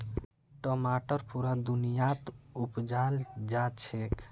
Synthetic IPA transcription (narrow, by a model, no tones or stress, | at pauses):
ʈɔmaʈəɾpuɾad̪unijat̪upd͡ʒald͡ʒat͡ʃʰek